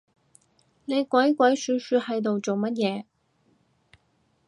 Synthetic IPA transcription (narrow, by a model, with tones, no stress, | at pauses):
ne˨˧jkʷɐ˨˥jkʷɐ˨˥jsyː˨˧˥syː˧˥hɐ˧jt̪o˨wt͡so˨wmɐ˥t̚jɛː˨˧